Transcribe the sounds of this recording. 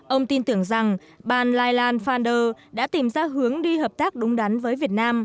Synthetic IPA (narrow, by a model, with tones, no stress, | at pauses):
ʔə˧wŋ͡mt̪i˧nt̪ɨ˨˧˩əŋza˨˩ŋ | ɓaː˨˩nlaː˧jlaː˧nfaː˧nɗəː˧ɗa̰ː˧˥t̪i˨˩mzaː˧ɦɨ˨˦əŋɗi˧ɦəː˨˩p̚t̪aː˦˥k̚ɗʊ˨˦ŋ͡mɗa˨˦nvəː˨˦jvi˨˩ət̚naː˧m